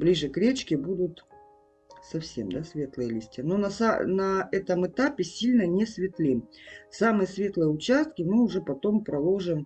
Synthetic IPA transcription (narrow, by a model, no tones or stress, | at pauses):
blʲiʐɨkɾʲet͡ɕkʲɪbud̪ʊt̪ | sɐfsʲemd̪asvʲe̞t̪lˠɨjəlʲisʲtʲɪənonɐsanɐɛt̪əmɨt̪apʲɪsʲilʲnənʲɪsvʲɪt̪lʲisamɨjəsvʲe̞t̪lˠəjəʊt͡ɕast̪̚kʲɪmɨʊʐɛpɐt̪o̞mpɾɐlˠoʐɨm